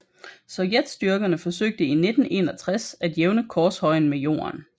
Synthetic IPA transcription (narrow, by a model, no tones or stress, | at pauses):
sɒ̽ʊjed̥sd̥yɐɡ̥ɐnəfɒ̽søɡ̥̚d̥əine̝d̥n̩ʔe̝ːnɒ̽t͡sʰʁasæd̥jeʊnəkʰɒːshɒ̽ɪ̰n̩mejo̝̰ːɐn